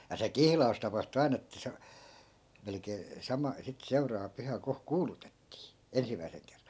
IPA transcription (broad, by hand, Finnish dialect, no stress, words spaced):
jɑ se kihlɑus tɑpɑhtu ɑi̯n etːæ̆ se melĕkeː sɑmɑ sit seurɑːʋɑ pyhæ ko kuːlutetːiː ensimˑæi̯seŋ kerːɑn̞